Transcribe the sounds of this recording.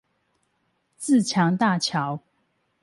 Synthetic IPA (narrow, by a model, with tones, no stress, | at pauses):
t͡sɹ̩˥˨t͡ɕʰjɑ˨˦ŋt̪a˥˨t͡ɕʰjɑ˨˦ʊ